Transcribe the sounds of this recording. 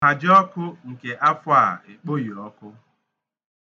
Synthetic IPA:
a˨d͡ʒɪ˦ɔ˦kʊ˦ŋ̩˨ke˨ʔa˦fʊ˦a˦˨e˨k͡po˦ji˨ɔ˦kʊ˦

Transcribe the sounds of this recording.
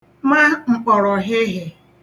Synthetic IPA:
ma˦ŋ͡m̩˨k͡pɔ˨ɾɔ˨ɦɪ˦ɦɪ˨

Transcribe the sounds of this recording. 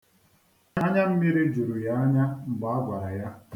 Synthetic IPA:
a˦ɲa˦m̩˦mi˦ɾi˦d͡ʒu˨ɾu˨ja˦a˦ɲa˦m̩˨ɡ͡ba˨˦a˦ɡʷa˨ɾa˨ja˦

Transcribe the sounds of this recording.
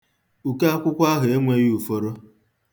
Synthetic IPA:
u˨ke˦a˦kʷʊ˦kʷa˦ɦe˨e˦ŋʷe˦ju˨fo˦ɾo˦

